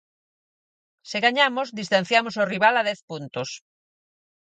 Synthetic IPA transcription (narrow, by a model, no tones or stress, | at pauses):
sɪɣaɲamozðist̪an̟θjamosoriβ̞alaðɛθpunt̪os